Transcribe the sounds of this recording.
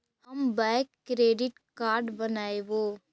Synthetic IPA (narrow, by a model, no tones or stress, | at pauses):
hɐmbɛːkːɾeːɖɪʈ | kaːɾɖbɐnaːeʋoː